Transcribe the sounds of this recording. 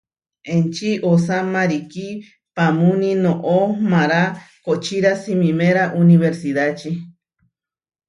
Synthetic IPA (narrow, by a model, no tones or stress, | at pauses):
ent͡ʃiʔosamaɾiki | pamunĩnõʔomaɾakot͡ʃiɾasimĩmeɾaʔuniβeɾsiðat͡ʃi